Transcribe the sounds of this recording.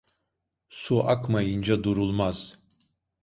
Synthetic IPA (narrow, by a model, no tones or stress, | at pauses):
suʔakʰmajɨnd͡ʒad̪uɾulˠmaz̥